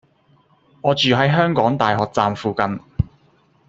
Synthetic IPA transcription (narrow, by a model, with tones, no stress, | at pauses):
ŋɔː˨˧t͡ʃyː˨ɦɐ˨˥jɦœː˥ŋkɔː˨˥ŋt̪aː˨jɦɔː˨k̚t͡saː˧mfuː˨kɐ˧n